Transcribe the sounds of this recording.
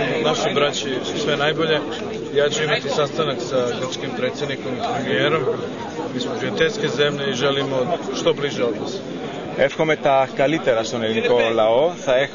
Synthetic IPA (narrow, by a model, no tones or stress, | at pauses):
naʃibɾat͡ɕisu̥sʋe̞najboʎe̞ | jaːt͡ɕuimat̪isast̪anaksaɡr̩pt͡ʃkimpɾet̪sjed̪niko̞mipɾemijeːɾo̞m | miːsmopɾiet̪elʲske̞ze̞mʎeiʒelimoʃt̪o̞bliʒeo̞d̪nos | efxomet̪akalit̪eɾast̪oneliŋkolaoθae